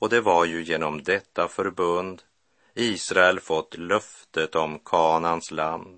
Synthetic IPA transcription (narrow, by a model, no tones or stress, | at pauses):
ɔd̪ɛvaɾjɵjeːnɔmd̪ɛt̪ʰːafœɾbɵnd̪ | iːsɾaɛlfɔt̪ːlœft̪ət̪ɔmkʰɑːnansland̪